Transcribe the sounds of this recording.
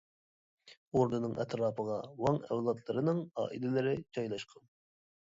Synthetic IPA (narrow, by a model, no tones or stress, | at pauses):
oɾd̪ɨnɨŋʔɛ̰t̪ɾɑːpʰəʁɑwɑŋɛ̰wlˠɑt̪ʰlˠɨɾɨnɨŋɑ̰ːʔḭlɪlɪɾɪt͡ʃʰɑjlˠɑʃqʰɑn